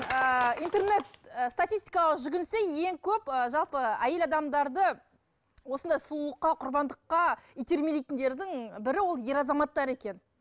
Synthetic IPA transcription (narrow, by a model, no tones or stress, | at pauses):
əint̪e̞rne̞t̪əst̪at̪ist̪ʲijkɑlˠəqʒʏɡʲɪnseje̞ŋkʲʰɵpəʒɑlˠpəæje̞lɑd̪ɑmd̪ɑɾd̪ə | wo̞sənd̪ɑjsəlˠuəqːɑqʰʊɾbɑnd̪əqːɑijt̪eɾmed̪ijt̪ʲɪnd̪e̞ɾd̪ɪŋbɪɾɪwo̞lˠje̞ɾɑzɑmɑt̪ːɑɾe̞kʲe̞n